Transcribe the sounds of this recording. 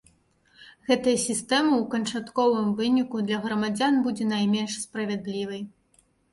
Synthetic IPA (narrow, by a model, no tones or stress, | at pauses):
ɣɛt̪ɐjɐsʲist̪ɛmɐwkɐnt͡ʂat̪kɔvɨmvɨnʲikud̪lʲɐɣɾɐmad͡zʲanbud͡zʲɛnajmʲɛnʂspɾɐvʲɛd̪lʲivɐj